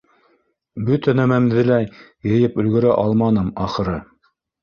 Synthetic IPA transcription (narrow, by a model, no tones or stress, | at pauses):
bɵt̪ænæmæmðɘ̆læjjɤ̆jɘpɵ̆lɡɵ̆ɾæʔɑlˠmɑnɤmɑχɤ̆ɾɤ